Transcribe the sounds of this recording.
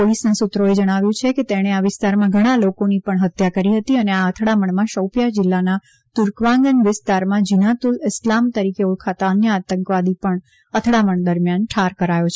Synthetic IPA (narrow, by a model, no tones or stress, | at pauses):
polisnasʊt̪ːɾoed͡ʒəɽ̃aʋjũt͡ʃʰeket̪eɽ̃eaʋɪst̪aɾmãɡʱəɽ̃alokonipəɳɦət̪jakəɾiɦət̪iəneaət̪ʰɽaməɳmãʃəwpjad͡ʒɪlːana | t̪ʊɾkʋãŋɡənʋɪst̪aɾmãd͡ʒinat̪ulɪslamt̪əɾikeuɭkʰat̪aənjəat̪əŋkʋad̪ipəɳ | ət̪ʰɽaməɳd̪əɾmjanʈʰaɾkəɾajot͡ʃʰe